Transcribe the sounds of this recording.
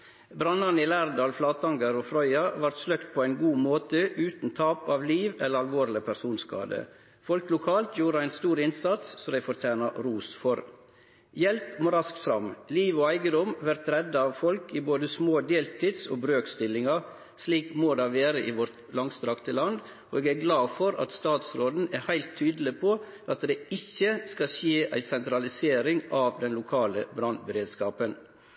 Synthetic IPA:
bɾɑnːɑnəɪːlæːɾd̪ɑːlflɑːt̪ɑŋɡəɾofɾœʏɑʋɑɾt̪slœkt̪̚pʰoːæɪnɡuːmoːt̪əʔʉːt̪n̩t̪ʰɑːpɑːʋliːʋɛləɾɑlʋoːɾlɪpʰæɾsuːnskɑ̰ːd̪ə̰ | fɔlklʊkʰɑːlt̪juːɾəæɪnst̪uːɾɪnsɑt̪sːɔd̪æɪfɔɾt̪ʰæːnɑɾuːsfɔɾ | jɛlpmoːɾɑsk̚t̪fɾɑmliːʋoːæɪɡəd̪ɔmʋæɾt̪ɾɛd̪ːɑɑʋfɔlkɪboːd̪əsmoːd̪eːlt̪ʰɪd̪so̰ːbɾøːkst̪ɪlɪŋɑ | sliːkmoːd̪æʋeːɾəʔɪʋɔɾt̪lɑŋst̪ɾɑkt̪əlɑnd̪ | oeːɡæːɾɡlɑːfɔɾɑ̰t̪st̪ɑːt̪sɾoːd̪n̩æɾhæɪlt̪ʰːyːd̪əl̩ɪpʰo | ʔɑt̪̚d̪ɛɪçːəskɑʃeːʔæ̰ɪsɛnt̪ɾɑlɪseːɾɪŋɑːʋd̪ɛnlʊkʰɑːləbɾɑnbəɾeːd̪skɑːpən

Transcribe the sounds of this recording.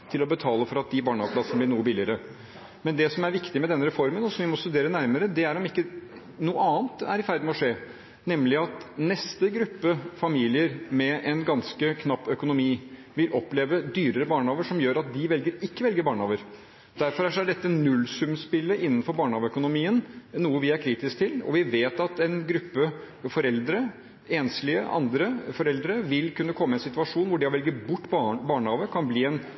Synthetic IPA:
t̪ʰɪlɔbət̪ʰɑːləfɔɾɑt̪̚d̪ɪbɑːɳɑʋəpʰlɑsənəblɪɳuːəbɪlɪəɾə | mɛnd̪ɛsɔmæɾʋɪkt̪ɪmɛd̪ɛnːəɾɛfɔɾmənɔsɔmʋɪmɔst̪ʉd̪eːɾənæɾməɾəd̪ɛæɾɔmɪkːə | nuːəɑːnt̪æ̰ɾɪfæɾd̪mɛɔʂeː | nɛmlɪɑt̪nɛst̪əɡɾʉpːəfɑmiːlɪəɾmɛʔɛnɡɑnskəkʰnɑpːœkʊnʊmiː | ʋɪlʔɔpːleːʋəd̪yːɾəɾəbɑːɳhɑːʋəʂɔmjøːɾɑt̪̚d̪ɪʋɛlɡəɾɪkːəʋɛlɡəbɑːɳhɑːʋəɾ | d̪̥æɾfɔɾæʂɔæɖɛt̪ːənʉlːsʉmspɪlːəʔɪnːənfɔɾbɑːɳəhɑːʋəœkʊnʊmiːənnuːəʋɪæɾkʰɾiːt̪ɪsk̚t̪ʰɪlɔ̰ʋɪʋeːt̪ɑt̪ɛnɡɾʉpːə | fɔɾɛld̪ɾə | eːnslɪəʔɑ̰nd̪ɾəfɔɾɛld̪ɾəʋɪlkʉnːəkʰɔmːəɛnsɪt̪ʉɑʂuːnʋʊɖɪɔʋɛlɡəbʊʈːbbɑːɳhɑːʋəkʰɑnbliːɛn

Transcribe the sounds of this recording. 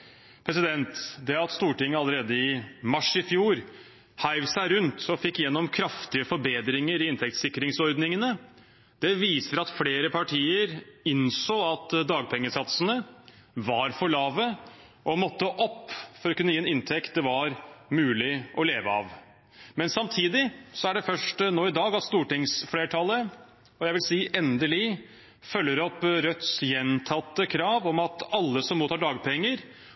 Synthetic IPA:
pʰɾɛsɪd̪ɛnt̪d̪ɛɑt̪st̪uːʈɪŋːəɑləɾeːd̪əɪmɑʂɪfjuːɾ | hæɪʋsæɪɾʉnt̪ɔfɪkːjɛnːɔmkʰɾɑft̪ɪəfɔɾbeːd̪ɾɪŋəɾɪɪnt̪ɛk̚t̪sɪkːɾɪŋsɔɾd̪nɪŋənə | d̪̥ɛʋiːsəɾɑt̪fleːɾəpʰɑʈʰiːəɾɪnsoːɑt̪d̪ɑːɡpʰɛŋːəsɑt̪sənə | ʋɑɾfɔɭɑːʋə | ʔɔmɔt̪ːəʔɔpːfɔɾɔkʉnːəjiːɛnɪnt̪ʰɛkt̪̚d̪ɛʋɑɾmʉːlɪʔɔleːʋəɑ̰ʋ | mɛnsɑmt̪ʰiːd̪ɪsɔæɖɛfœʂʈnoːɪd̪ɑːɡɑt̪st̪uːʈɪŋsfleːʈʰɑlːə | ɔjæɪʋɪlsiːʔɛnd̪əlɪ | fœlːəɾɔpːɾœt̪sjɛnt̪ʰɑt̪ːəkʰɾɑːʋɔmɑt̪ɑlːəsɔmːuːt̪ɑɖɑːɡ̚pʰɛŋːəɾ

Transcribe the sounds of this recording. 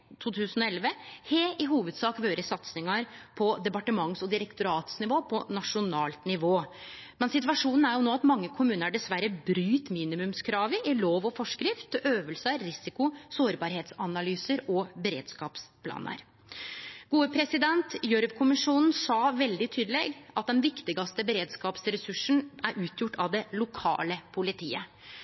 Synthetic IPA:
t̪ʰuːt̪ʰʉːsən̩ɔɛlʋəheːɪɦuːʋəd̪sɑːkʋøːɾəsɑt̪snɪŋɑɾpʰɔd̪ɛpɑʈəmɑŋsɔd̪ɪɾəkt̪ʊɾɑːt̪snɪʋoːpʰɔnɑʂʊnɑːlt̪nɪʋoː | mɛnsɪt̪ʋɑʂuːnn̩æɾjʊnoːɑt̪mɑŋːəkʰʊmʉːnəɾæɖɛsʋæɾəbɾyːt̪miːnɪmʉmskʰɾɑːʋɪʔæɭoːʋɔfɔʂkɾɪft̪øːʋəlsəːɪsɪkʊsoːɾbɑːɾheːt̪sɑnɑlyːsəɾɔbɛɾḛːd̪skɑːpspʰlɑ̰ːnə̰ɾ | ɡ̥uːəpʰɾɛsɪd̪ɛnt̪jœɾʋkʰʊmɪʂuːnn̩sɑːʋɛld̪ɪt̪ʰyːd̪əleːɡɑt̪̚d̪ɛnʋɪkt̪ɪɡɑst̪əbɛɾeːd̪skɑːpsɾɛsʉʂnæɾʔʉːt̪ʰjʊʈːɑʋd̪ɛlʊkʰɑ̰ːləpʰʊlɪt̪ʰḭːə

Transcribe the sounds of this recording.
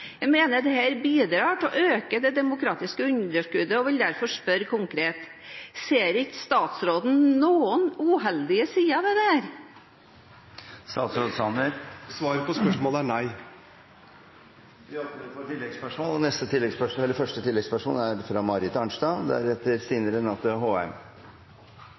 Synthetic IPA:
jæmeːnəɖ̪ɛhæːɾbiːd̪ɾɑːʈɔʔøːkəd̪ɛd̪ɛmʊkʰɾɑːt̪ɪskəʉnd̪əʂkʉd̪əɔʋɪld̪æɾfɔʂpœɾkʰʊŋkɾeːt̪seːɾɪkəst̪ɑːt̪sɾoːd̪n̩nuːənuːɦɛld̪ɪəsiːɑd̪ɛd̪ɛhæːɾ | st̪ɑːt̪sɾoːd̪sɑnd̪əɾsʋɑːɾpɔspœʂmɔːləænæɪ | ʋɪɔlt̪ɾfoːʈɪlːɛɡspœʂmoːlɔnɛst̪ət̪ʰɪlːɛɡspœʂɛlːəɾfœʂʈət̪ʰɪlːɛɡspœʂmo̰læɾfɾɑmɑɾɪt̪ɑɳʂdɑd̪æ̰ɾɛt̪ːəɾsiːnəɾənɑt̪ːʊɦoːɛm

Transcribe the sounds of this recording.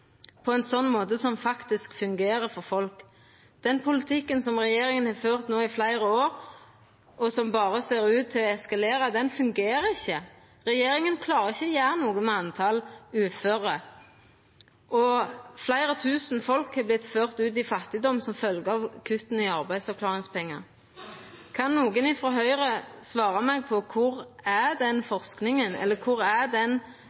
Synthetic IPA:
pʰɔɛnsɔnːmoːt̪əsɔmfɑkt̪ɪskfʉŋɡeːɾəfɔɾfɔlk | d̪̥ɛnpʰʊlɪt̪ʰɪkːənsɔmʁɛjeːɾɪŋənhɑføːʁt̪noːɪflæɪɾəoːɾ | ʔɔsɔmbɑːɾəseːɾʉːt̪ʰːɪlɔɛskɑleːɾɑd̪ɛnfʉŋɡeːɾəɪçːə | ɾɛjeːɾɪŋənkʰlɑːʁəɪçːəjæːɾənuːɡəmɛɑnt̪ʰɑlʉːføːɾə | ʔɔflæɪɾət̪ʰʉːsn̩fɔlkhɛblɪt̪føːʁt̪ʉːt̪̬ɪfɑt̪ːɪd̪ɔmːsɔmfœlɡəɑʋkʰʉt̪n̩ɪɑʁbæɪd̪sfɑʁkʰlɑːʁɪŋspɛŋːɑ̰ | kʰɑnːuːɡənɪfɔɦœʏʁəsʋɑːɾɑmɛɡ̚pʰɔkʰʊɾæʁd̪ɛnfɔʁsknɪŋənɛ̰lːəkʰʊɾæd̪ɛn

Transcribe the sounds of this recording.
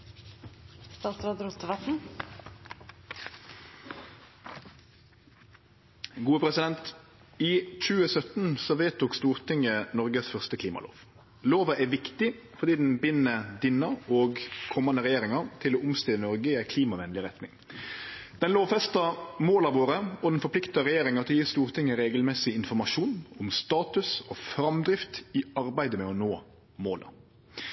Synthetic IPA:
st̪ɑːt̪sɾɑd̪ɾut̪ːəʋɑt̪n̩ | ɡuːəpʰʁɛsɪd̪ɛnt̪ | iːc͡çʉːəsœt̪n̩sɔʋeːt̪ʰʊkst̪uːʁt̪ʰɪŋənɔʁɡəsfœʁst̪əkʰliːmɑ̰lo̰ːʋ | loːʋəʔæːʋɪkt̪ɪfɔʁd̪iːd̪n̩bɪnəd̪ɪnɑɔɡkʰɔmːɑnəɾɛjeːɾɪŋɑɾt̪ʰɪlɔːʊmst̪ɪlənɔɾɡəɪæɪkʰliːmɑʋɛnlɪʁɛt̪nɪ̰ŋ | d̪̥ɛnloːʋfɛst̪ɑmoːlɑʋoːɾəɔd̪nfɔɾplɪkt̪ɑɾɛjeːɾɪŋɑt̪ʰɪljiːst̪uːɾt̪ʰɪŋːəɾeːɡəlmɛsɪɪnfɔʁmɑʂuːnɔmst̪ɑːt̪ʉsɔfɾɑmd̪ɾɪft̪ɪɑɾbæɪd̪əmɛɔnoː | moːlə̰

